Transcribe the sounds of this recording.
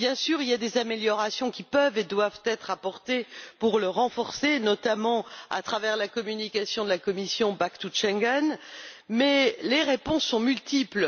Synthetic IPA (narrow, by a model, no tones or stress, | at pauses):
bjɛ̃syʁiljad̪ezameljɔʁasjɔ̃kʲipœved̪wavt̪ɛt̪χapɔʁt̪epuʁləʁɑ̃fɔʁsenɔt̪amɑ̃a̰t̪χavɛʁlakɔmynikʲasjɔ̃d̪əlakɔmisjɔ̃bakt̪uʃɛ̃ŋɡɛnmɛleʁepɔ̃sːɔ̃mylt̪ipl